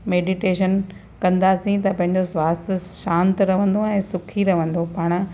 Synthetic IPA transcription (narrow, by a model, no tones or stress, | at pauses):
meːɖiʈeːʃən | kɐ̃nd̪asĩt̪ɐpɐ̃ɦɪ̃ɲd͡ʑosʋaːst̪ʰʃãːnt̪ɾɐʋə̃n̆d̪oɛ̃ːsʊkʰiɾɐʋə̃nd̪opaːɽ̃